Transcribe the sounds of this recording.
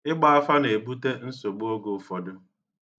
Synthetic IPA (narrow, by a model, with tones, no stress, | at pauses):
ɪ˦ɡ͡ba˦a˦fa˦ne˨bu˦te˦n̩˦so˨ɡ͡bo˦ɡo˨fɔ˨dʊ˦